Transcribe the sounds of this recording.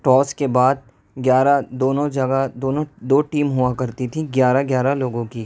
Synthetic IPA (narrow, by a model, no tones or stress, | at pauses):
ʈɔːskebaːd̪̚ | ɡjaːɾad̪oːnõd͡ʒɐɡad̪oːnõd̪oːʈiːmɦʊakɐɾt̪it̪ʰiɡjaːɾaɡjaːɾaloːɡõki